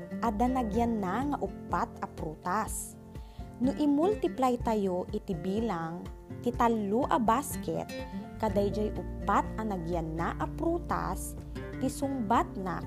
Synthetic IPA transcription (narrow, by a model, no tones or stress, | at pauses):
ʔɐd̪ɐnɐɡjanːaŋɐʔʊpːat̪̚ʔɐpɾuːt̪as | nʊʔɪmʊlt̪ɪplajt̪ɐjoʔɪt̪ɪbiːlaŋt̪ɪt̪ɐlːuʔɐbaskɛ̰t̪̚kɐd̪ajd͡ʒajʔʊpːat̪̚ɐnɐɡjanːaʔɐpɾuːt̪a̰s | t̪ɪsʊŋbat̪̚na̰